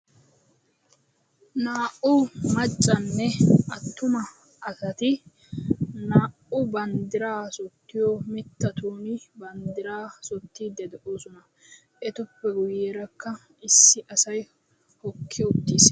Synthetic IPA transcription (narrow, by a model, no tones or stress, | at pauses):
naːʔʊmɐt͡ʃʼːɐnːɛɐt̪ːʊmɐ | ʔɐsɐt̪ɪ | naːʔʊbɐnd̪ɪɾaːsɔt̪ːɪjɔmɪt̪ːɐt̪uːnɪbɐnd̪ɪɾaːsɔt̪ːiːd̪ːɛd̪ɛʔoːsʊnɐ | ʔɛt̪ʊpːɛɡʊjeːɾɐkːɐ | ɪsːɪʔɐsɐj | hɔkʰːɪʊt̪ːiːs